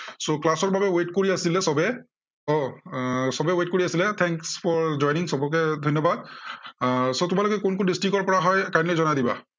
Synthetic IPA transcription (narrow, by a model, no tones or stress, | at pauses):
soklasɔɹbabɛwetkoɹiasilɛsɔbɛ | ɔ | sɔbɛwet̚koɹiasilɛt̪ʰɛŋkspɔɹd͡ʒɔjniŋsɔbɔkɛdʱɔjnːɔbad̚ | sotʊmalʊkɛkʊnkʊndistikɔɹpɔɹaɦɔjkajnlɔzɔnadiba̰